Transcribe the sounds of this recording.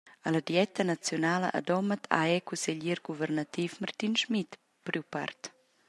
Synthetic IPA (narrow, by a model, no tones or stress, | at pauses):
alad̪jɛt̪ənat͡sjonaːlə̰ʔa̰d̪ɔmət̪ʰa̰ɛkusɛʎiɾɡuvɛrnat̪ifmart̪inʃmit̪ | pɾypa̰rt̪